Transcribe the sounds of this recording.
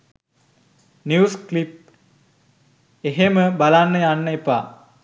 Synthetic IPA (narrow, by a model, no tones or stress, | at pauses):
njuːsklip̚ | eɦeməbalanːəjanːəepa̰